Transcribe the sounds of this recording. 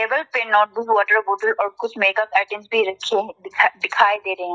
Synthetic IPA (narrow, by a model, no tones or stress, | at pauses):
eːʋəlpenɔːʈ̚duzʋɔːʈəɾboːʈəlɔːɾkʊt͡ʃʰmeːkɐpɛːʈɪ̃msbʱiɾɐkʰieɦʰɖ̪ɪkʰaːed̪eːɾɐɦɛ̃